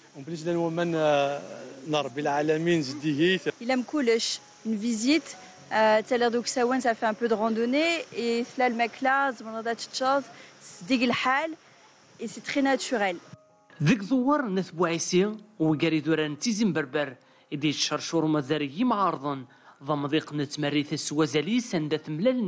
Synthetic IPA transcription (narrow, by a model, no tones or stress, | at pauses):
bliʃlænwæmæn | nəɾˤbilʕalæminzəd̪iɦiilæmkuləʃ | ynvizit̪ | t̪ːælɛʁd̪ɔksæwənsafɛɛ̃pød̪ʁɑ̃d̪oneeflælmɛklazmd̪ɑd̪at̪u̥t̪ʃɔzsd̪iɡlħal | esɛt̪χɛnat̪yʁɛl | ðəkzˤowəɾˤnəθbuʕisiwiɡæɾiðuɾænt͡sːizimbəɾbəɾ | id̪ijʃəɾˤʃuɾumæzæɾijimʕɑɾˤðˤən | ðˤɑmd̪ˤiqnət͡sːmærːiθæswæzælisænd̪æθəmlæln